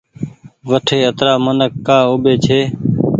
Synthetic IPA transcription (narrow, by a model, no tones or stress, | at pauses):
ʋəʈʰeːət̪ɾaːmənəkːaːʊɓeːt͡ʃʰeː